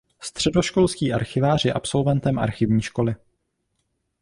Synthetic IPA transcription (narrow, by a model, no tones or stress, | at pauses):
st̪r̝̥ɛdo̞ʃko̞lsciːʔa̰ɾxɪvaːr̝jɛ̰ʔa̰pso̞lvɛnt̪ɛmʔa̰ɾxɪvɲiːʃko̞lɪ